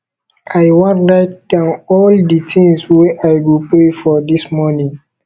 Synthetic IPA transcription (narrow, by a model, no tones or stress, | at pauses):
ʔajwãnlat̚dãɔlditʰĩŋsweʔajɡupɹefɔdismɔnĩŋ